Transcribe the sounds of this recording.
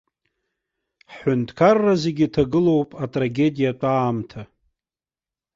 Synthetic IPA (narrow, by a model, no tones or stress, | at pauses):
ħħʏntʰʼkʰarːazeɡʲitʰaɡɨlo̞wpʼatʼraɡʲe̞dijat͡pʷʼaːmtʰa